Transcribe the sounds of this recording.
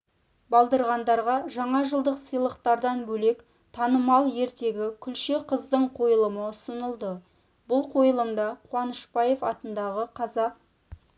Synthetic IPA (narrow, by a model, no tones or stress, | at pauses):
bɑlˠd̪əɾʁɑnd̪ɑɾʁɑʒɑɴɑʒəlˠd̪əqsəjlˠəqt̪ɑɾd̪ɑnbɵle̞k | t̪ʰɑnəmɑlˠje̞ɾt̪e̞ɡʲɪkʲʰʏlʃeqʰəzd̪əɴqʰo̞jəlˠəməʊsənəlˠd̪ə | bʊlˠqʰo̞jəlˠəmd̪ɑqʰwɑnəʃpɑje̞fɑt̪ənd̪ɑʁəqʰɑzɑq̚